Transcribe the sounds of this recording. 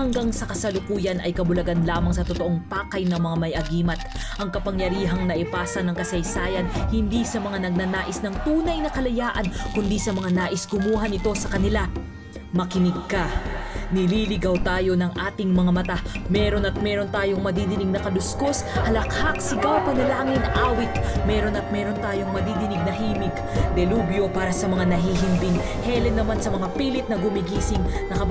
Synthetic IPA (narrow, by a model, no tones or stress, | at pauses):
hɐŋɡaŋsɐkɐsɐlʊkuːjɐnɐjkɐbʊlɐɡanlaːmɐŋsɐt̪ot̪oʔoŋpaːkɐjnɐmɐŋamɐjʔɐɡiːmɐt̪̚ | ʔɐŋkɐpɐŋjɐɾiːɦɐŋnɐʔɪpaːsɐnɐŋkɐsɐjsaːjɐnhɪnd̪isɐmɐŋanɐɡ̚nɐnaːʔɪsnɐŋt̪uːnɐjnɐkɐlɐjaːʔɐnkʊnd̪isɐmɐŋanaːʔɪsɡʊmuːɦɐnɪt̪o̞sɐkɐnɪla | mɐkɪnɪɡ̚kɐnɪliːlɪɡawt̪aːjo̞nɐŋʔaːt̪ɪŋmɐŋamɐt̪amɛːɾo̞nɐt̪̚mɛɾo̞nt̪aːjo̞ŋmɐd̪id̪ɪnɪɡ̚nɐkɐlʊskoshɐlɐkhak̚sɪɡawpɐnɐlaːŋɪnʔaːwɪt̪̚mɛːɾo̞nɐt̪̚mɛːɾo̞nt̪aːjo̞ŋmɐd̪id̪ɪnɪɡ̚nɐɦiːmɪɡ | d̪ɛluːbjo̞paːɾɐsɐmɐŋanɐɦiːɦɪnb̪ɪn | hɛlɛnːɐmansɐmɐŋapiːlɪt̪̚nɐɡʊmɪɡiːsɪŋnɐkɐb